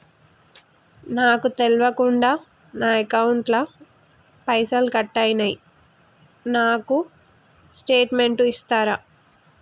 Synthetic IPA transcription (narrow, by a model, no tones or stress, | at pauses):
naːkut̪elʋɐkuɳɖaː | naːɐkɐwuɳʈlɐ | pɐjsɐlkɐʈːajnɐji | naːku | sʈeːʈme̞ɳʈuist̪aːɾa